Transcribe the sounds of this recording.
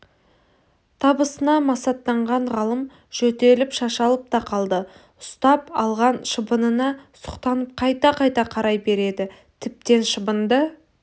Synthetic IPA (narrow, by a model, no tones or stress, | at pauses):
t̪ʰɑbəsənɑmɑsɑt̪ːɑɴʁɑɴʁɑlˠəm | ʒ̥ɵt̪e̞lɪpʃɑʃɑlˠəp̚t̪ɑqʰɑlˠd̪ə | ʊst̪ɑpɑlˠʁɑnʃəbənənɑsʊ̥qt̪ɑnəp̚qʰɑjt̪ɑqʰɑjt̪ɑqʰɑɾɑjbe̞ɾe̞d̪ɪ | t̪ʰɪp̚t̪e̞nʃəbənd̪ə